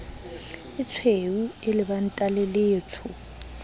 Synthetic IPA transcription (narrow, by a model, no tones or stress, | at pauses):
ɪt͡sʰweuɪlɪban̩tʼaleleːt͡sʰʊ